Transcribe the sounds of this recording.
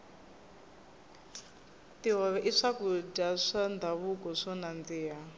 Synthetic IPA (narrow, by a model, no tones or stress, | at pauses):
tiɦɔβɛʔiʂakudaʂand̪aβukɔʂɔnand͡ziːɦa